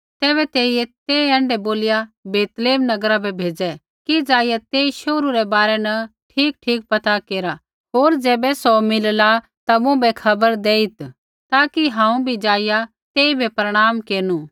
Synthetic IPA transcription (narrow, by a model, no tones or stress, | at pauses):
t̪ɛːβɛt̪eːiɛt̪eːɛ̃ːɳɖɛboːlɪjabeːt̪leːmnɐɡəɾabʱɛbʱeːd͡ʒɛ | kid͡ʒaːijat̪eːiʃoːɾuɾɛbaːɾɛnɐʈʰiːk̚ʈʰiːk̚pɐt̪akeːɾa | ɦoːɾd͡ʒɛːbɛsɔmɪlla | t̪amʊ̃bɛkʰɐbəɾd̪eːit̪ | t̪aːkiɦãːũbʱid͡ʒaːɪja | t̪eːibʱɛpɾɐɽ̃aːmkeːɾnu